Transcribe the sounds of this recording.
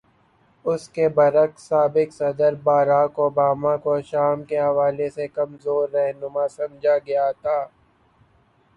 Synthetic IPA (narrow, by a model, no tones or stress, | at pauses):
ʊskebɐɾəksaːbɪksɐd̪əɾbaːɾaːkoːbaːmakoʃaːmkeɦɐʋaːlesekɐmzoːɾːɛɦnʊmasɐmd͡ʒʱaɡɐjat̪ʰaː